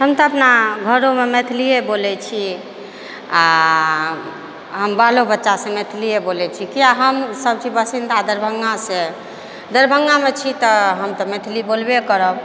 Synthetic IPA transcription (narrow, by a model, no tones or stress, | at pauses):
ɦəmt̪ɔəpnaɡʱəɾomemet̪ʰlijebolɛt͡ʃʰi | a | ɦəmbalobətːʃasẽmet̪ʰlijebolɛt͡ʃʰikijaɦəmsəb̚t͡ʃibəsind̪ad̪əɾbʱəŋɡasẽ | d̪əɾbʱəŋɡamet͡ʃʰit̪ɔɦəmt̪ɔmet̪ʰlibolbekəɾəb